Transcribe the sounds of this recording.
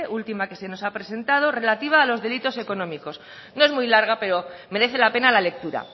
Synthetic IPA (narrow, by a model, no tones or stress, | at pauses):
ʔult̪imake̞se̞no̞sapɾe̞se̞nt̪að̞o̞re̞lat̪iβ̞aːlo̞zðe̞lit̪o̞se̞ko̞nõ̞miko̞s | no̞e̞zmujlaɾɣ̞ape̞ɾome̞ɾe̞θelape̞nalale̞k̚t̪uɾa̰